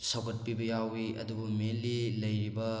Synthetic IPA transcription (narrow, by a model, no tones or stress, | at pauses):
sɐwɡɐt̚pibɐjawiʔɐ̰dubumelilɐjɾibɐ